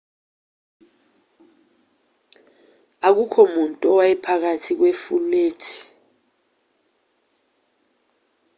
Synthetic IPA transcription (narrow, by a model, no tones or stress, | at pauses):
ak̬ukʰɔmuntʼɔwaɛpʰak̬atʰik̬wefuleːtʰi̥